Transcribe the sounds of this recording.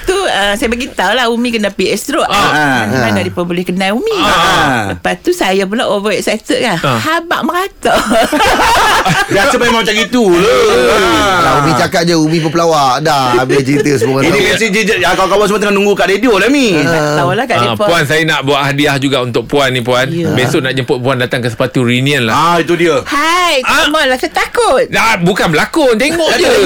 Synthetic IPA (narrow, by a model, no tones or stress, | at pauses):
t̪uəsajabaɡit̪aulaumĩkənapiɛst̪ɾoʔanmanaʔdipəbolɛhkənalumĩ | əpat̪usajap̬ulaʔovəɛʔsat̪əʔkahaba̰ʔməɾat̪a | biasəpamãmat͡ʃaŋit̪ulo | laumit͡ʃakaʔ̚d͡ʒaumĩp̬əpəlawaʔdabiət͡ʃəɾit̪əsəbuŋainibesed͡ʒəd͡ʒəakakawaŋsəmat̪əŋanũŋɡukaʔɾediolamiawalakaʔappuans̬ajənaʔbuaʔhadiahd͡ʒuɡaunt̪ʊk̚puanːĩpuanbesoʔnaʔd͡ʒəmpʊt̪̚puandat̪aŋkəsə̥pat̪uɾinĩənlaait̪udiəhajamanlahsət̪akʊt̪̚naʔbukanbəlakunt̪eŋɔʔkaə